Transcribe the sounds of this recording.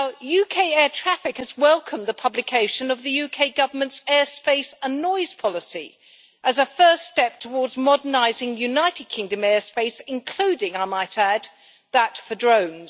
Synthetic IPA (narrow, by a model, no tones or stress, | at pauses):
naʊjʉkʰeɪɛɹtʰɹ̥æfɨkhɨzwɛlˠkʰə̃mðɨpʰʌblɨkʰeɪʃɨ̃nʌvðɨjʉkʰeɪɡʌvə˞mɨ̃ntsɛɹspeɪsə̃nːɔɪz̥pʰɑlˠəsḭ | ʔɨzəfɜ˞sttɛp̚tʰəwɔɹdzmɑɾə˞naɪzɪ̃ŋjʉnaɪɾɨd̚kʰɪ̃ŋdɨ̃mɛɹspeɪsɨ̃nkʰl̥ʉɾɪ̃ŋaɪmaɪɾæd̪̚ | ðətfə˞dɹõʊ̃nz̥